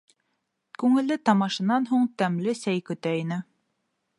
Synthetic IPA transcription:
kʉŋɘ̆lːɘt̪ɑmɑʃɤ̆nɑnɦuɴt̪æmlɘsæjkɵ̆t̪æinɘ

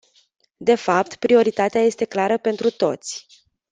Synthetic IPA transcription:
d̪e̞fapt̪pɾio̞ɾit̪at̪eaje̞st̪e̞klaɾəpe̞nt̪ɾut̪o̞t̪sʲ

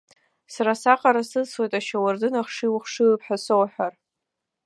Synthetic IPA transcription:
saɾasaqʼaɾasɨswejtʼaʃawardɨnaχʂiwχʂɨpʰħᶣasowħʷᶣar

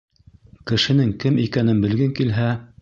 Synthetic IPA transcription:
kɘ̆ʃɘ̆nɘŋkɘmikænɘnbɘ̆lɡɘŋkilɦæ

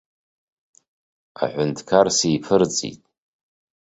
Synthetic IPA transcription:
a̰ħʷʊntʰkʰarsijpʰɨrt͡sʼḭtʼ

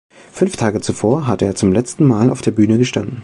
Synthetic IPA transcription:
fʏnftʰaːɡət͡sufoːɐɦatəeːɐt͡sʊmlɛt͡stn̩maːla̰ʊfd̥eːɐbyːnəɡəʃtandn̩

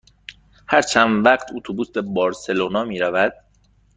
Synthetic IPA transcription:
hæɾt͡ʃʰænvæɢt̪ʰot̪ʰobusbe̞bɒːɾse̞loːnɒːmiːɾævæd̪̥

